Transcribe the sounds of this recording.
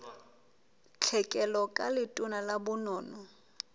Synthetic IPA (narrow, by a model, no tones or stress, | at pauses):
t͡ɬʰɛkʼɛlɔkʼalɪtʼʊnalabʊnɔːnɔ